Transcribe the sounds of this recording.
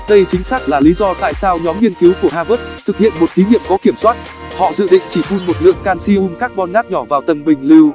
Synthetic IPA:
ɗə˧jt͡ɕï˨˦ŋ̟saː˦˥k̚laː˨˩li˨˦zɔ˧t̪a̰ː˧˨jsaː˧wɲɔ˨˦mŋi˧ənki˨˦wku˧˩əhaː˧və˦˥t̚t̪ʰɨ˨˩k̚hḭ˧˨ənmo˨˩t̚t̪ʰi˨˦ɲḭ˧˨əmkɔ˨˦ki˧˩əmswaː˦˥t̚ | hɔ̰˧˨zɨ̰˧˨ɗḭ̈˧˨ŋ̟t͡ɕi˧˩fu˧nmo˨˩t̚lɨ̰˧˨əŋkaː˧nsi˧ʔu˧mkaː˦˥k̚ɓɔ˧nŋaː˦˥k̚ɲɔ˧˩vaː˨˩wt̪ə˨˩mɓï˨˩ŋ̟li˧w

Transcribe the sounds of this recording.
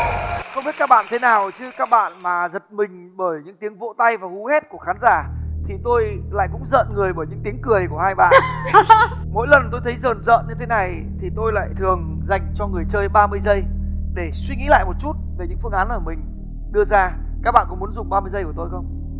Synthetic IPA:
xə˧wŋ͡mɓi˦˥t̚kaː˦˥k̚ɓa̰ː˧˨nː˧t̪ʰe˨˦naː˨˩wt͡ɕɨ˨˦kaː˦˥k̚ɓa̰ː˧˨nmaː˨˩zə˨˩t̚mï˨˩ŋ̟ɓəː˧˩jɲɨ̰˧˥ŋt̪i˨˦əŋvo̰˧˨t̪a˧jvaː˨˩hu˨˦he˦˥t̚ku˧˩əxaː˨˦nzaː˧˩t̪ʰi˨˩t̪o˧jla̰ː˧˨jkʊ̰˧˥ŋ͡mzə̰ː˧˨nŋɨ˨˩əjɓəː˧˩jɲɨ̰˧˥ŋt̪i˨˦ŋkɨ˨˩əjku˧˩əhaː˧jɓa̰ː˧˨n | mo̰˧˥jlə˨˩nt̪o˧jt̪ʰə˨˦jzəː˨˩nzə̰ː˧˨nɲɨ˧t̪ʰe˨˦na˨˩j | t̪ʰi˨˩t̪o˧jla̰ː˧˨jt̪ʰɨ˨˩əŋ | za˨˩jŋ̟t͡ɕɔ˧ŋɨ˨˩əjt͡ɕəː˧jɓaː˧mɨ˧əjzə˧jɗe˧˩swi˧ŋḭ˧˥la̰ː˧˨jmo˨˩t̚t͡ɕu˦˥t̚ve˨˩ɲɨ̰˧˥ŋfɨ˧əŋʔaː˨˦nʔəː˧˩mï˨˩ŋ̟ | ɗɨ˧əzaː˧ | kaː˦˥k̚ɓa̰ː˧˨nkʊ̰˧˥ŋ͡mm˨˦ə˦nzʊ˨˩ŋ͡mɓaː˧mɨ˧əjzə˧jku˧˩t̪o˧jxə˧wŋ͡m

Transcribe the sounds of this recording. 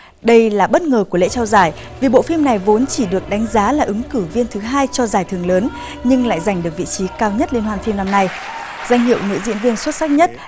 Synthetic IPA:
ɗə˧jlaː˨˩ɓə˦˥t̚ŋəː˨˩ku˧˩əlḛ˧˥t͡ɕɔ˧wzaː˧˩j | vi˨˩ɓo̰˧˨fi˧mna˨˩jvo˨˦nt͡ɕi˧˩ɗɨ˨˩ək̚ɗa˨˦ŋ̟zaː˨˦laː˨˩ʔɨ˨˦ŋkɨ˧˩vi˧ənt̪ʰɨ˨˦ɦaː˧jt͡ɕɔ˧zaː˧˩jt̪ʰɨ˨˩əŋləː˨˦n | ɲɨ˧ŋla̰ː˧˨jza˨˩jŋ̟ɗɨ˨˩ək̚vḭ˧˨t͡ɕi˨˦kaː˧wɲə˦˥t̚le˧nhɦwaː˧nfi˧mna˧mna˧j | z̥a˧jŋ̟ɦḭ˧˨əwnɨ̰˧˥zḭ˧˥ənvi˧ənswə˦˥t̚sa˦˥k̚ɲə˦˥t̚

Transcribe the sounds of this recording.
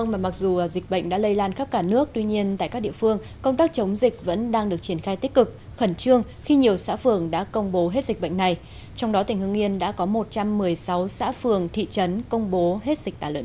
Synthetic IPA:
ə˧wŋmaː˨˩ma˨˩k̚zu˨˩əː˨˩zï˨˩k̟̚ɓə̰˧˨jŋ̟ɗa̰ː˧˥lə˧jlaː˧nxə˦˥p̚kaː˧˩nɨ˦˥ək̚t̪wi˧ɲi˧ənt̪a̰ː˧˨kaː˦˥ɗḭ˧əfɨ˧əŋ | kə˧wŋ͡mt̪aː˦˥k̚t͡ɕə˨˦wŋ͡mzï˨˩k̟̚və̰˧˥nɗaː˧ŋɗɨ˨˩ək̚t͡ɕi˧˩ənxaː˧jt̪i˦˥k̚kɨ˨˩k̚ | xə˧˩nt͡ɕɨ˧əŋ | xi˧ɲi˨˩əwsa̰ː˧˥fɨ˨˩əŋɗa̰ː˧˥kə˧wŋ͡mɓo˨˦ɦe˦˥t̚zi˨˩k̚ɓə̰˧˨jŋ̟na˨˩j | t͡ɕwŋ͡mɗɔ˨˦t̪ï˧˩ŋ̟hɨ˧əŋi˧ənɗa̰ː˧˥kɔ˨˦mo˨˩t̚t͡ɕa˧mːɨ˨˩əjsa˨˦wsa̰ː˧˥fɨ˨˩əŋt̪ʰḭ˧˨t͡ɕə˨˦nkə˧wŋ͡mɓo˨˦ɦe˦˥t̚zï˨˩k̟̚t̪aː˧˩lə̰˧˨

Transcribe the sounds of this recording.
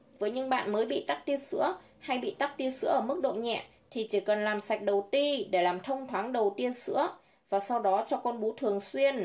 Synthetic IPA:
vəː˨˦jɲɨ˧ŋɓa̰ː˧˨nməː˨˦jɓḭ˧˨t̪a˦˥k̚t̪i˧ənsɨ̰˧˥ə | ha˧jɓḭ˧˨t̪a˦˥k̚t̪i˧ənsɨ̰˧˥əʔəː˧˩mɨ˦˥k̚ɗo̰˧˨ɲɛ̰˧˨ | t̪ʰi˨˩t͡ɕi˧˩kə˨˩nlaː˨˩msa˨˩k̚ɗə˨˩wt̪i˧ɗe˧˩laː˨˩mt̪ʰə˧wŋ͡mt̪ʰwaː˨˦ŋɗə˨˩wt̪i˧ənsɨ̰˧˥ə | vaː˨˩sa˧wɗɔ˨˦t͡ɕɔ˧kɔ˧nɓu˨˦t̪ʰɨ˨˩əŋswi˧ən

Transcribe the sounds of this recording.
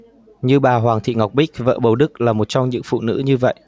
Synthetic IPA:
ɲɨ˧ɓaː˨˩ɦwaː˨˩ŋt̪ʰḭ˧˨ŋa˨˩wk͡p̚ɓï˦˥k̚və̰ː˧˨ɓə˨˩wɗɨ˦˥k̚laː˨˩mo˨˩t̚t͡ɕɔ˧wŋ͡mɲɨ̰˧˥ŋfṵ˧˨nɨ̰˧˥ɲɨ˧və̰˧˨jʔ

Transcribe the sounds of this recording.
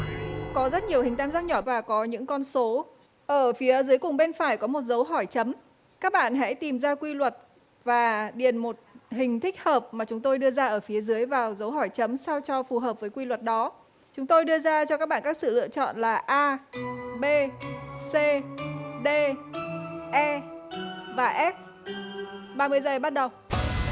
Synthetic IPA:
kɔ˨˦zə˦˥t̚ɲi˨˩əwhï˨˩ŋ̟t̪aː˧mzaː˦˥k̚ɲɔ˧˩vaː˨˩kɔ˨˦ɲɨ̰˧˥ŋkɔ˧nso˨˦ | ʔəː˧˩fi˨˦ə˦zɨ˨˦əjkʊ˨˩ŋ͡mɓe˧nfaː˧˩jkɔ˨˦mo˨˩t̚zə˨˦wɦɔ˧˩jt͡ɕə˨˦m | kaː˦˥k̚ɓa̰ː˧˨nɦɛ̰˧˥t̪i˨˩mzaː˧kwi˧lwə˨˩t̚ | vaː˨˩ɗi˨˧˩ənmo˨˩t̚hï˨˩ŋ̟t̪ʰï˦˥k̟̚həː˨˩p̚maː˨˩t͡ɕʊ˨˦ŋ͡mt̪o˧jɗɨ˧əzaː˧ʔəː˧˩fi˨˦əzɨ˨˦əjvaː˨˩wzə˨˦wɦɔ˧˩jt͡ɕə˨˦msa˧wt͡ɕɔ˧fu˨˩ɦəː˨˩p̚vəː˨˦jkwi˧lwə˨˩t̚ɗɔ˨˦ | t͡ɕʊ˨˦ŋ͡mt̪o˧jɗɨ˧əzaː˧t͡ɕɔ˧kaː˦˥k̚ɓa̰ː˧˨˩kaː˦˥k̚sɨ̰˧˨lɨ̰˧˨ət͡ɕɔ̰˧˨nlaː˨˩ʔaː˧ɓe˧se˧ɗe˧ | ʔɛ˧ | vaː˨˩ʔɛ˦˥t̚ | ɓaː˧mɨ˧əjzə˨˩jɓa˦˥t̚ɗə˨˩w

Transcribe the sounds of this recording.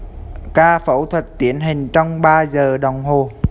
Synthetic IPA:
kaː˧fə̰˧˥wt̪ʰwə˨˩t̚t̪i˧˥ənɦï˨˩ŋ̟t͡ɕɔ˧wŋ͡mɓaː˧zəː˨˩ɗə˨˩wŋ͡mɦo˨˩

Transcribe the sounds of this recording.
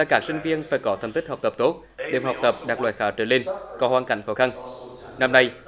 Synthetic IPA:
zaː˧˩kaː˦˥k̚sï˧ŋ̟vi˧ənfaː˧˩jkɔ˨˦t̪ə˨˩mt̪ʰi˦˥k̚hk͡p̚t̪ə˨˩p̚t̪o˦˥t̚ɗḛ˨˧˩mha˨˩wk͡p̚t̪ə˨˩p̚ɗaː˨˩k̚lwa̰ː˧˨˩j̚xaː˨˩t͡ɕəː˧˩le˧nkɔ˨˦hwaː˧nka̰˧˩jŋ̟xɔː˧˦xa˧nna˧mna˧j

